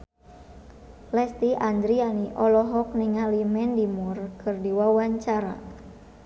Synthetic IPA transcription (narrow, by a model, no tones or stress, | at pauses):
lɛst̪iʔand̪ɾianiʔɔlɔɦɔk̚niŋalimɛndimurkʰɨrdiwawaɲt͡ʃaɾa̰